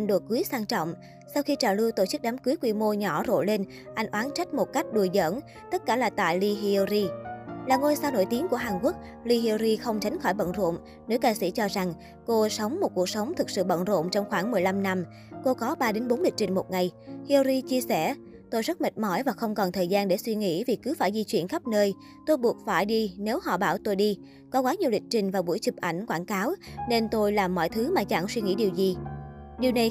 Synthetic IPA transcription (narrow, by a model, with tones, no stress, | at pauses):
ŋɗo̰˧˩kɨ˨˦jsaː˧ŋt͡ɕɔ̰˧˨wŋ͡m | sa˧wxi˧t͡ɕaː˨˩lu˧wt̪o˧˩t͡ɕɨ˦˥k̚ɗaː˨˦mkɨ˨˦jkwi˧mo˧ɲɔ˧˩zo̰˧˨le˧n | ʔa˧jŋ̟ʔwaː˨˦nt͡ɕa˦˥jk̟̚mo˨˩t̚ka˦˥jk̟̚ɗu˨˩əzə̰ː˧˥n | t̪ə˦˥t̚kaː˧˩laː˨˩t̪a̰ː˧˨jli˧ɦi˧ɾi˧laː˨˩ŋo˧jsaː˧wno̰˧˨jt̪i˨˦əŋku˧˩əɦaː˨˩nku˦˥ək̚ | li˧ɦi˧ɾi˧xə˧wŋ͡mt͡ɕa˨˦jŋ̟xɔ˧˩jɓə̰˧˨nzo̰˧˨ŋ͡m | ne˨˦wkaː˧sḭ˧˩t͡ɕɔ˧za˨˩ŋ | ko˧sə˨˦wŋ͡mmo˨˩t̚ku˨˩k̚sə˨˦wŋ͡mt̪ʰɨ˨˩k̚sɨ̰˧˨ɓə̰˧˨nzo̰˧˨mt͡ɕɔ˧wŋ͡mxwaː˧˩ŋmɨ˨˩əjla˧mna˧m | ko˧kɔ˨˦ɓaː˧ɗe˨˦nɓo˨˦nɗï˨˩k̚t͡ɕï˨˩ŋ̟mo˨˩t̚ŋa˨˩jhi˧zi˧t͡ɕi˧əsɛ˧˩ | t̪o˧jzə˦˥t̚mə˨˩k̟̚mɔ˧˩jvaː˨˩xə˧wŋ͡mkɔ˨˩nt̪ʰəː˨˩jzaː˧nɗe˧˩swi˧ŋḭ˧˥vi˨˩kɨ˨˦faː˧˩jzi˧t͡ɕwi˧˨ənxa˦˥p̚nəː˧j | t̪o˧jɓu˨˩ət̚faː˧˩jɗi˧ne˨˦whɔ̰˧˨ɓaː˧˩wt̪o˧jɗi˧ | kɔ˨˦kwaː˨˦ɲi˨˩əwɗï˨˩k̟̚t͡ɕï˨˩ŋ̟vaː˨˩ɓu˧˩əjt͡ɕɨ˨˩p̚ʔa˧˩jŋ̟kwaː˧˩nkaː˨˦wne˧nt̪o˧jlaː˨˩mːɔ̰˧˨jt̪ʰɨ˨˦maː˨˩t͡ɕa̰˧˩ŋswi˧ŋi˧˥ɗi˨˩əwzi˨˩ɗi˨˩əwna˨˩j